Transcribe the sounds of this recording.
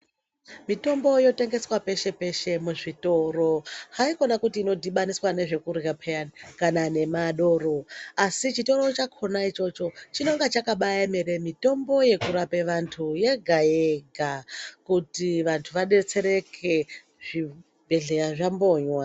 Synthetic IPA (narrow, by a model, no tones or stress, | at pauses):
mito̞mbo̞jo̞te̞ŋɡe̞swape̞ʃe̞pe̞ʃe̞muʐito̞ro̞haiko̞nakutiːno̞dʱiɓaniswane̞ʐe̞kuɾɣapʰeakanane̞maɗo̞ːɾo̞asit͡ʃito̞ɾo̞t͡ʃakʰo̞nait͡ʃo̞t͡ʃo̞t͡ʃino̞ŋɡat͡ʃakaɓajameɾe̞mito̞mbo̞je̞kuɾapeʋantʰuje̞ɡʱajeeɡʱakutiʋantʰuʋaɗe̞t͡se̞ɾe̞kʰe̞ | ʐi | bʱe̞ɮe̞ɾaʐambo̞ːɲwa